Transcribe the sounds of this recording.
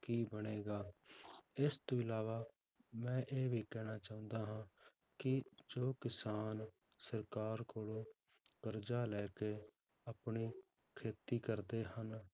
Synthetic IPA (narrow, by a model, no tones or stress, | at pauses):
kiːbəɽeːɡaː | ɪst̪õːɪlaːʋaː | mɛ̃ːʔeːʋʱiːkɛːnaːt͡ʃaːʊ̃nd̪aːɦãː | kɪd͡ʒoːkɪsaːn | səɾkaːɾkoːlõː | kəɾd͡ʒaːlɛːkeː | əpɳiː | kʰeːt̪iːkəɾd̪eːhən